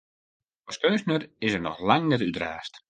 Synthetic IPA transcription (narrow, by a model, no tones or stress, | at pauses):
ɔskøːsnərɪsərnɔxlaŋnɛtytra̰ːst